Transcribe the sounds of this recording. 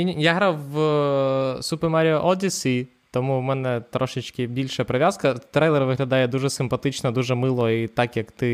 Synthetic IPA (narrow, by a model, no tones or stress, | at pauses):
jaɦɾɑwʋ | supɛrmɛɾʲɪɔʔɔd̪ʲisʲi | t̪ɔmumɛnɛt̪ɾɔʃɪt͡ʃkɪbʲilʲʃɐpɾeʋʲjazkɐt̪ɾɛjlˠɛrʋɪɦlʲɐd̪ɑjɛd̪uʒɛsɪmpɐt̪ɪt͡ʃnɐd̪uʒɛmɪlˠɔit̪ɑkjɐkt̪ɪ